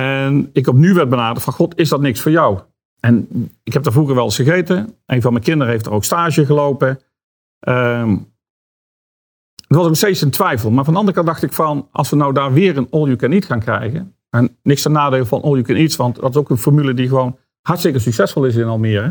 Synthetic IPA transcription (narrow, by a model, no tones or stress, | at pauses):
ɛnɪkɔp̬nyʋɛɹd̚bənaːdəfɑnxɔtɪzdɑtnɪksfʊːɹjɑw | ɛnɪkɦɛp̚daːvuːɣəɹʋɛlˠɪsfəɣejtəʔenvɑlˠmɛjkɪndəɾəɦejftdə̰ɹowkstaːʒəɣəlowpə | ʔə | ətʋɑsokstejtsəntʋɛjfəlˠmaːɹvɑndəɑndərəkɑntdɑxtɪkfɑnʔɑ̰lˠsʋənawdaːɹʋɪːɹənɔlˠjukɛnitxaːnkrɛ̰jɣə | ɛnnɪkstənaːdeːləvɑnʔolˠjukɛnitsʋɑntdɑtɪsowkənfɔɹmylədiɣəʋown | hɑɹtstɪkəɹs̬yksɛsfɔlˠɪs̬ɪnɑlˠmɪːɹɛ